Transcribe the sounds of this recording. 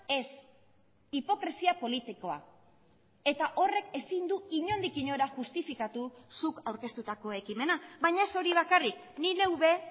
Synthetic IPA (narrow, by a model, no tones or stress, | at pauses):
e̞s | ipo̞kɾesiapo̞lit̪iko̞a̰ | e̞t̪aʔo̞re̞ke̞sind̪uiɲo̞nd̪ikiɲo̞ɾaʝust̪ifikat̪usukawɾke̞st̪ut̪ako̞e̞kime̞naβajɲaeso̞ɾiβ̞akarik | nine̞wβe̞